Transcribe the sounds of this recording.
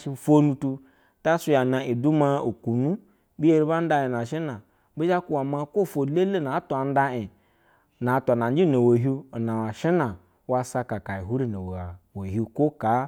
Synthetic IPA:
ʃi˧˨fo˦nu˧tu˧ | ta˦su˦ja˨na˨i˨du˦ma˧o˨ku˨nu˦ | bi˦e˦ɾi˦ba˦n̩˦da˧i˨na˨ʃi˦na˨ | bi˦d͡ʒa˦ku˨wa˨ma˧ko˦˨fo˨le˦le˦na˨˦tu˨a˨n̩˦da˧i˨ | na˨˦ta˨na˨n˦d͡ʒi˦˨no˨wo˨ɦu˦˨na˨a˨ʃi˦na˨ | wa˧sa˧ka˨ka˨i˨ɦu˦ɾi˦no˨wa˨wo˨ɦu˦ko˦ka˨˦

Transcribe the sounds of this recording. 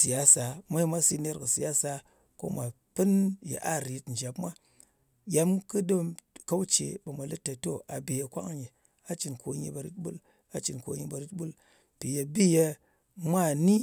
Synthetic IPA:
si˨ja˦sa˨ma˦i˦ma˦si˦ne˦ɾkɨ˨si˨ja˦sa˨ | ko̰˦ma˨ | pɨ˦njḛ˨ʔa˦˨ɾi˨˦tn̩˨d͡ʒa˨pmʷa˦ | ja˨mkɨ˦do˦mka˦u˦t͡ʃḛ˨ba˨mʷa˨lɨ˦tːa˨to˦ʔa˨be˨je˧kʷa˦kɲi˨ | a˦t͡ʃi˨nko˨ɲḭ˦ba˧˨ɾi˦tɓṵ˦l | a˨t͡ʃi˨nko̰˨ɲi˧ba˧ɾi˦tɓu˦l | pi˨je˧bi˦je˧ | ma˦˨ni˦

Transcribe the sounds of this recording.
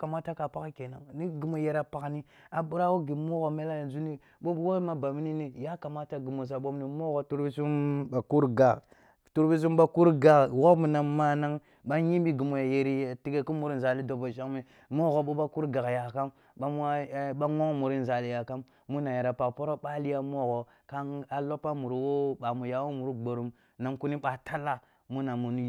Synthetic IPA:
ka˨ma˦ta˦ka˨pa˦kke˨na˨ŋni˦ɡi˨mo˨je˦ɾa˦pa˨ɡni˦ | a˨ɓu˦ɾa˦wo˦ɡi˨mo˦ɣo˨me˦la˦ja˨nzu˦ni˦ | ɓo˦wo˦ma˦ba˨mi˦ni˦ni˦ja˦ka˨ma˦ta˦ɡi˨mo˨s̬a˨ɓo˦m˦ni˦mo˦ɣo˨tu˦ɾbi˦su˦mba˨ku˦ɾɡa˨ɣ | tu˦ɾbi˦s̬u˦mba˦ku˦ɾɡa˨ɣɣo˦mu˨na˨ma˦na˦ŋ | ɓa˦ɲi˦mbi˦ɡu˨mo˨ja˨je˨ɾi˦˨ti˦ɡe˦ku˦mu˨ɾi˦n˨za˨li˦do˨bo˨ʃa˦ŋ˦me˦ | mo˦ɣo˨ɓo˦ba˦ku˦ɾɡa˨ɣja˨ka˦m | a˦m˦ɓa˦ŋo˦ŋmu˨ɾi˦n˨za˨li˨ja˨ka˦mːu˦na˨ja˨ɾa˨pa˨kpo˦ɾo˦ɓa˦li˦ja˦mo˦ɣo˨ | ka˦ŋa˦lo˦pa˦mu˨ɾu˨wo˦ɓa˨mu˨ja˨wo˦mu˨ɾu˦ɡ͡bo˨ɾu˨m | na˨ŋku˦ni˦ɓa˨tʰa˦la˦ | mu˦na˨mu˨n˦

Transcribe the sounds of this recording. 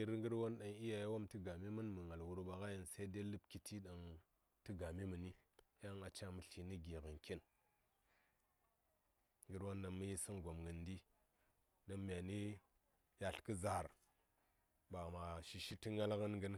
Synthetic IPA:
ɾŋɡə˦ɾwo˦nɗa˨ŋi˦ja˨ja˦wo˦mti˦ɡa˨mi˦mə˦nmə˨ŋa˨lwu˨ɾɓa˨ɣa˦ji˨nsa˦i˦de˦lɨ˦bki˨tʰi˦ɗa˨ŋ | tɨ˦ɡa˨mi˦mə˨ni˦ja˦ŋa˨t͡ʃa˦mə˨ɬi˨ni˦ɡi˨ɣə˨nki˦n | ŋɡə˦ɾwo˦nɗa˨nmə˦ji˦sə˦nɡo˨mɡə˨ndi˦ | ɗa˦nmʲ˨a˨ni˦ | ja˨ɬkə˦za˨ɾ | ba˨ma˨ʃi˨ʃi˦ti˦ŋa˦lɣə˦nɡə˦n

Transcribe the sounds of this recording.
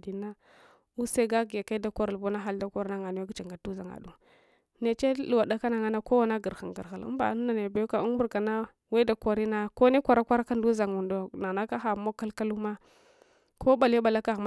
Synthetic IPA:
di˨˦na˦ | u˦se˦ɡa˦ɡi˨ja˨ka˦i˦da˦kʷa˦ɾlbo˦na˦xa˦lda˦kʷa˦ɾa˦na˦ŋa˨n˦ja˦ɡt͡ʃa˨ŋɡa˨du˦za˨ŋa̰˨du˨ | ne˨t͡ʃe˦lu˨wa˨da˦ka˦na˨ŋa˦na˦ko˦wa˦na˦ɡə˨ɾxa˨ŋ˨ɡə̰˨ɾxa˨ṵ˦mba̰˨˦n˦na˨ne˨ba˨ju˦ka˨u˦ŋ˦bu˦ɾka˨na˦ | we˦da˨kʷa˨ɾi˦na˦ko˦ne˦kʷa˨ɾa˦kʷa˦ɾa˦ka˦n˦du˦za˨ŋu˨ndo˨na˨na˦ka˦xa˨˦mo˦ka˦lka˦lu˦ma˦ | kʰo˦ba˨le˦ba˨la˦ka˨ɣm

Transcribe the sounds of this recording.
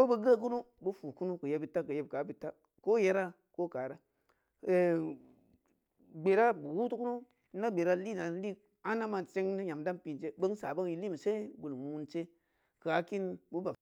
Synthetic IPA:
ko˦bə˧ɡə˦˨k̬u˦nu˦ | bu˦fu˨ku˦nu˦kə˨je˨bi˦tːa˦kə˨je˨˦b̚ka˨˦bi˦tːa˦ | ko˦je˦ɾa˦ | ko˦ka˨ɾa˦ | e˨ | ɡ͡be˨ɾa˦bu˨wu˦tu˦ku˦nu˦ | na˦ɡ͡be˨ɾa˦li˦na˨˦li˦ | a˦na˦ma˨nt͡ʃe˦ŋni˦ɲa˨mda˦mpi˨nt͡ʃe˦bə˦ŋ˦sa˨bə˦ŋji˦li˦˨m˨se˦bu˨lmu˦nt͡ʃe˦ | ka˨˦ki˦nbu˦ba˨

